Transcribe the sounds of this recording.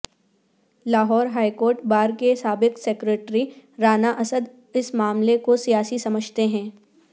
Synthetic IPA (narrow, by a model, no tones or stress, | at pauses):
laːɦɔːɾɦaːikoːɾʈ̚baːɾkesaːbɪkseːkɾeːʈɾiɾaːnaʔɐsəd̪ | ɪsmaːmlekosijaːsisɐməd͡ʒʱt̪eɦɛ̃ː